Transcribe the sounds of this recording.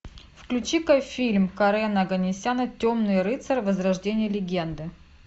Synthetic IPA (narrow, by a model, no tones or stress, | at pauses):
fklʲʉt͡ɕikɐfʲilʲmkɐɾɛnɐɡənʲɪsʲanətʲomnɨjɾɨt̪sərvəzɾɐʐdʲenʲɪjəlʲɪɡʲe̞nd̪ɨ